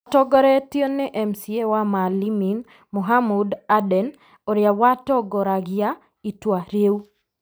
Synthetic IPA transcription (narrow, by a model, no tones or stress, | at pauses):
atɔɡɔɾɛtjonːeʔɛmsiewamalimin | muɦamudadɛn | oɾjawatɔɡɔɾaɡɪja | itwaɾjewu